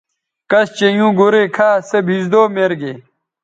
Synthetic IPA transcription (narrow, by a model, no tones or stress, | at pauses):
kɐst͡ɕejũːɡoɾekʰaːsɐbʱizd̪oːmeɾɡeː